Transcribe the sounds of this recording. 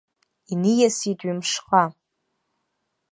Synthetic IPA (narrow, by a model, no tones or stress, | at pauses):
inijasitʼɥimʂqʼa